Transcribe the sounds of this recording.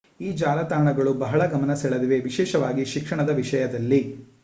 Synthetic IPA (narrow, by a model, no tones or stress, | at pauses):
iːd͡ʒaːlɐt̪aːɳɐɡɐɭubɐɦɐɭɐɡɐmɐnɐsɛɭɐd̪iʋeʋiʃɛːʃɐʋaːɡiʃikʂɐɳɐd̪ɐʋiʂɐjɐd̪ɐlːi